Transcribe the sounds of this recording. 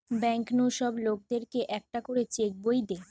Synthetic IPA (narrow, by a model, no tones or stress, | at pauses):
bɛŋknoʃɔblok̚d̪eɾkeʔɛk̚ʈakoɾet͡ɕek̚bojd̪e